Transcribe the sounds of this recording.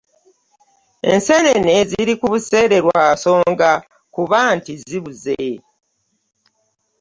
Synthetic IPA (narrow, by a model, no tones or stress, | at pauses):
ḛnse̞nene̞ziɾikuβuse̞ːɾe̞ɾwaso̞ːŋɡa | kuβantiziβuze